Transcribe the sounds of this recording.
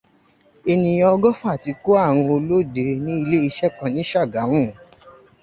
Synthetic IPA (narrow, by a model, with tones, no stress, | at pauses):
e˧nĩ˧j̃ɔ̃˦ɔ˧ɡɔ˦fa˦˨ti˧ko˦a˦˨w̃ũ˧o˧lo˦˨de˨˧nĩ˦i˧le˦i˧ʃɛ˦k͡pã˧nĩ˨˦ʃa˦˨ɡa˨˦w̃ũ˦˨